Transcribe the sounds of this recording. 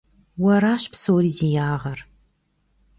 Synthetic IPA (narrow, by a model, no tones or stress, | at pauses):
wɐɾaːɕpsowɾizejaːʁɐr